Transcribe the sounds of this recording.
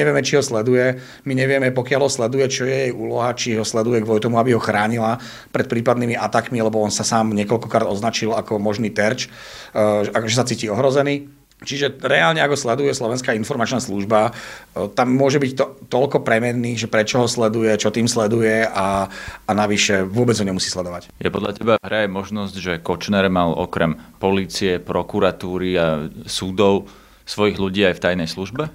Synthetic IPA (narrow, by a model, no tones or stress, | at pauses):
ɲɛʋɪɛmɛt͡ʃiɦɔslɛd̪ujɛ | miɲɛʋɪɛmɛpɔkɪalɦɔslɛd̪ujɛt͡ʃɔjɛjɛjuːlɔɦat͡ʃiɦɔslɛd̪ujɛɡʋɔlut̪ɔmuabiɦɔxɾaːɲila | pɾɛt̪̚pɾiːpad̪niːmiʔat̪akmilɛbɔɔnsasaːmɲɛkɔlkɔkɾaːd̪ɔznat͡ʃilakɔmɔʒniːt̪ɛɾt͡ʃ | akɔʒɛsat͡siːciːɔɦɾɔzɛniː | t͡ʃiʒɛɾɛaːlɲɛaɡɦɔslɛd̪ujɛslɔʋɛnskaːinfɔɾmat͡ʃnaːsluʒbat̪amːʊɔʒɛbict̪ɔt̪ɔlkɔpɾɛmɛnːiːʒɛpɾɛt͡ʃɔɦɔslɛd̪ujɛt͡ʃɔt̪iːmslɛd̪ujɛaanaʋiʃɛʋʊɔbɛd͡zɦɔɲɛmusiːslɛd̪ɔʋacjɛpɔd̪ʎa̰cɛbaɦɾɛajmɔʒnɔzɟʒɛkɔt͡ʃnɛɾmalɔ̰kɾɛmpɔliːt͡siɛpɾɔkuɾat̪uːɾiasud̪ɔʊ | sʋɔjiɣluɟiːajft̪ajnɛjsluʒbɛ